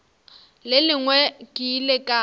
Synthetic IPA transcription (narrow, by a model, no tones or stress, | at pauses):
lɪlɪŋwɛkʼɪːlekʼa